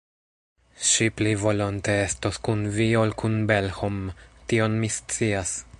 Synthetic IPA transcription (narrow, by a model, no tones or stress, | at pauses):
ʃiplivo̞lonteestoskunviolkʰunbe̞lhomtio̞nmist͡sias